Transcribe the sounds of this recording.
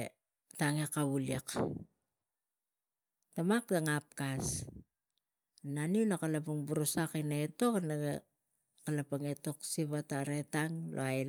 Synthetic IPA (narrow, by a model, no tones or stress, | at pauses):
taŋekaβuliek | tamakdaŋap̚kas | naniunakalapuŋbuɾosakinaeto̞kanaɡe | kalapaŋe̞to̞ksiβataɾe̞taŋlʔo̰aj